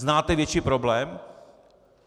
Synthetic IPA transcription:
naːt̪ɛvjɛt͡ʃiːpɾoblɛːm

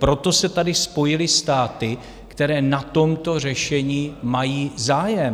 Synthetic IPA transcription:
pɾo̞t̪o̞sɛt̪adɪspo̞jɪlɪst̪aːt̪ɪ | kt̪ɛɾɛːnat̪o̞mt̪o̞r̝ɛʃɛɲiːmajiːzaːjɛm

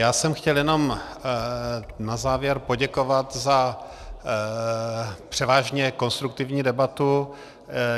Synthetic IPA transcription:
jaːsɛmxcɛljɛno̞m | nazaːvjɛɾpo̞ɟɛkovat̪za | pr̥ɛvaːʒɲɛko̞nst̪ɾuk̚t̪ɪvɲiːdɛbat̪u

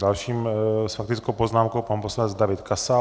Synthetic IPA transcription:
dalʃiːmsfak̚t̪ɪt͡skowpoznaːmkowpanposlanɛd͡zd̪avɪt̪kasa

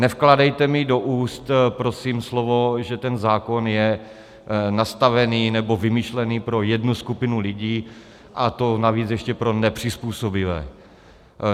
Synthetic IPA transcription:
nɛfkladɛjt̪ɛmɪdo̞ʔuːst̪pɾo̞simslovo̞ʒɛt̪ɛnzaːko̞njɛ | nast̪avɛniːnɛbo̞vɪmɪʃlɛniːpɾo̞jɛdnuskupɪnulɪɟiː | ʔat̪o̞naviːt͡sjɛʃcɛpɾo̞nɛpr̝̥ɪspuːsobɪvɛ̰ː

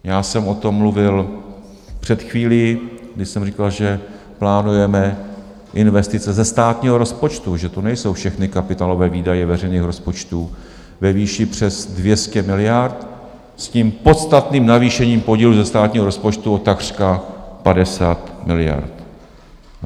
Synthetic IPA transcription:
jaːsɛmʔo̞t̪o̞mːluvɪl | pr̥ɛt̪xviːliɡdɪʃsɛmrikalʒɛ | plaːnujɛmɛ | ʔɪnvɛst̪ɪt͡sɛzɛst̪aːt̪ɲiːɦoɾo̞spo̞t͡ʃt̪uʒɛt̪onɛjso̞wfʃɛxnɪkapɪt̪aːlo̞vɛːviːdajɛvɛr̝ɛjniːxɾo̞spo̞t͡ʃt̪uː | vɛviːʃɪpr̝̥ɛzdvjɛscɛmɪlɪjaɾt̪ | sciːmpo̞t̪st̪at̪niːmnaviːʃɛɲiːmpo̞ɟiːluzɛst̪aːt̪ɲiːɦoɾo̞spo̞t͡ʃt̪uo̞t̪akr̥kaxpadɛsaːt̪mɪlɪja̰ɾt̪

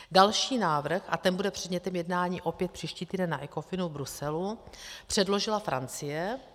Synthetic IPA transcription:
dalʃiːnaːvr̩xʔa̰t̪ɛnbudɛpr̝̥ɛdɲɛt̪ɛmjɛdnaːɲiːʔo̞pjɛt̪pr̥iːʃciːt̪iːdɛnːaʔɛkofɪnuvbɾusɛlupr̝̥ɛdlo̞ʒɪlafɾa̰nt͡sɪjɛ

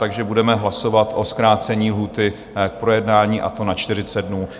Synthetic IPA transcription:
t̪aɡʒɛbudɛmɛɦlaso̞vat̪ʔo̞skɾaːt͡sɛɲiːlɦuːt̪ɪ | k̚pɾo̞jɛdnaːɲiːʔa̰t̪o̞nat͡ʃt̪ɪr̝ɪt͡sɛd̪dnuː

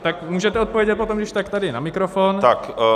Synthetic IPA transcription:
t̪akmuːʒɛt̪ɛot̪̚povjɛɟɛt̪̚pot̪omɡdɪʃt̪akt̪adɪnamikɾofont̪ak

